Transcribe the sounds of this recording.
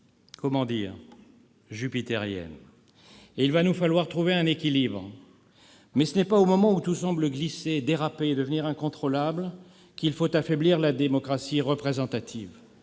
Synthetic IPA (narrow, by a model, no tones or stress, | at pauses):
kʰɔmɑ̃d̪iʁ | ʒypit̪ɛʁjɛ̰n | eilvanufalwaʁt̪χuveɛ̃nekʲilibʁ | mɛsənɛpaomɔmɑ̃ut̪usɑ̃bləɡlised̪eʁapeːd̪əvəniʁɛ̃kɔ̃t̪χɔlabl | kilfot̪afɛbliʁlad̪emɔkχasiʁəpχezɑ̃t̪at̪ʰḭv